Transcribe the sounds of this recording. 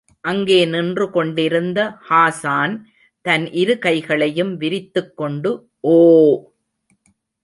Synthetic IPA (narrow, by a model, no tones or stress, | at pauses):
ʔɐŋɡeːnɪndrɯkɔɳɖɪɾɯnd̪ɐhaːsaːn | t̪ɐnʔɪɾɯkɐɪɣɐɭɐjɯmʋɪɾɪt̪ːɯkːɔɳɖɯ | ʔoː